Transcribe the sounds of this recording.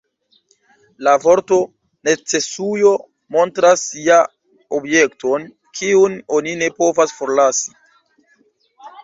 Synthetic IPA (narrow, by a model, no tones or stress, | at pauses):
lavo̞ɾto̞ | net͡se̞sujo̞ | mo̞ntɾasːia | obje̞kto̞n | kʰiuno̞nine̞po̞vasfo̞ɾlasi̥